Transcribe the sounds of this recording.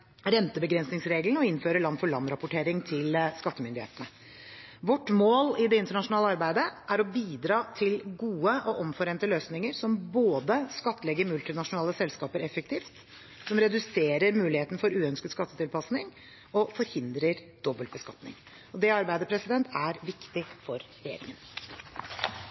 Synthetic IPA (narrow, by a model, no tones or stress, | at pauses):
ɾɛnt̪əbəɡɾɛnsnɪŋsɾeːɡlənəɔɪnføːɾəɭɑnːfɔɭɑnːɾɑpʊʈʰeːɾɪŋt̪ʰɪlskɑt̪ːəmʏnd̪ɪheːt̪ənə | ʋɔʈːmoːlɪd̪ɛɪnt̪əɳɑʂʊnɑːləɑɾbæɪd̪əʔæɾɔbiːd̪ɾɑːt̪ʰɪlɡuːəʔɔʔɔmfɔɾeːnt̪əløːsnɪŋəɾsɔmboːd̪əskɑt̪ːəlɛɡːəɾmʉlt̪ɪnɑʂʊnɑːləsɛlskɑːpəɾɛfːək̚t̪ʰiːft̪ | sɔmɾɛd̪ʉseːɾəɾmʉːlɪheːt̪n̩fɔɾʉːœnskəd̪skɑt̪ːət̪ɪlpɑsnɪŋ | ɔfɔɾhɪnd̪ɾəɾd̪̥ɔbːəl̚bəskɑt̪nɪ̰ŋ | ɔd̪ɛɑɾbæɪd̪əpʰɾɛsɪd̪ɛnt̪ʰæɾʋɪkt̪ɪfɔɾɾɛjḛːɾɪ̰ŋən